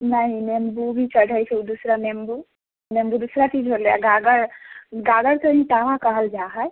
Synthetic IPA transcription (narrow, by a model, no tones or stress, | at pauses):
nəɦĩnembubʱit͡ʃəɽ̤ʱəjt͡ʃʰɛud̪usɾanembu | nembud̪usɾat͡ʃid͡ʒɦoljaɡaɡəɾɡaɡəɾk̪əɦĩʈaʋãkəɦəld͡ʒaɦəj